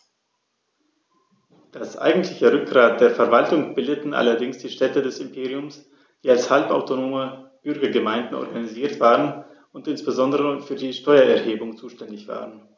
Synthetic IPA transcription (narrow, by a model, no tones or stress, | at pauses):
d̥asʔa̰ɪɡŋn̩tʰlɪçəʁʏk̚ɡ̥ʁaːt̚d̥eːɐfɛɐvaltʊŋb̥ɪldətn̩ʔa̰lɐdɪŋsd̥iːʃtɛtədɛsɪmpʰeːʁiʊms | d̥iːalshalpa̰ʊtonoːməb̥ʏɐɡɐɡəmaɪ̃ndn̩ʔɔ̰ɐɡaniziːɐtv̥aːʁən | ʊntʔɪnsb̥əzɔndəʁəfyːɐdiːʃtɔʏɐʔɛɐheːbʊŋt͡suːʃtɛndɪçv̥a̰ːʁən